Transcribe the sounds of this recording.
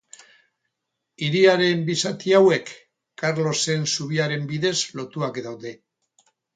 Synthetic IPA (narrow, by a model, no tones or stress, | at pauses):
iɾiaɾe̞mbisat̪iawe̞kː | aɾlo̞se̞nsuβ̞iaɾe̞mbiðe̞zlo̞t̪uakd̪awðe̞